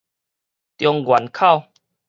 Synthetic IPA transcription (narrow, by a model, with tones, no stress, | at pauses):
t̪jɔ˧ŋɡwa˨˩nkʰa˥˨w